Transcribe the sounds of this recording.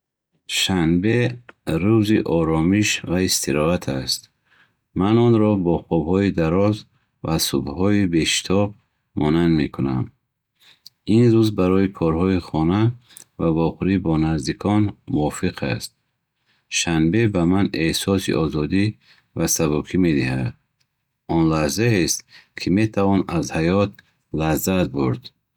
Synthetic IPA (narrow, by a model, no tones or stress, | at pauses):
ʃanbeɾuziʔɔɾɔmiʃvaist̪ʰiɾɔat̪ʰast̪ | manɔnɾɔbɔχɔbhɔid̪aɾɔz | vasṵbhɔibe̞ʃi̥t̪ʰɔb | mɔnand̪mḛkʰuna̰m | inɾuzbaɾɔikʰɔɾɦɔiχɔna | vavɔʁɾibɔnazd̪ikʰɔnmuɔfiqʰa̰st̪̚ | ʃanbe̞bamanehsɔsḭʔɔzɔd̪i | vasabukʰime̞d̪ihad̪ | ɔnlahzaest̪̚kʰime̞t̪ʰavɔnazhajɔt̪̚ | lahzat̪̚buɾd̪̥